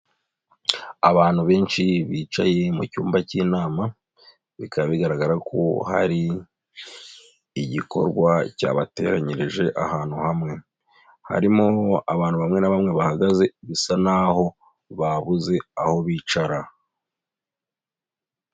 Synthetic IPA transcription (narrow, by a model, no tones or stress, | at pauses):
aβaːn̥huβe̞ːnʃiβiːt͡ʃa̰je̞mucuːmbaciːnaːma | βikʰaββiɡaɾaɡaɾakʰo̰ha̰ɾi | ɟiko̞̰ɾɡwaca̰ːβate̞̰ɾaɲeɾeʒe̞ʔahaːn̥huhamŋe̞ | ha̰ɾimoa̰βaːn̥huβamŋe̞naβamŋe̞βahaɡaze̞βisanaho̞ | βaβuze̞aho̞βiːt͡ʃaɾa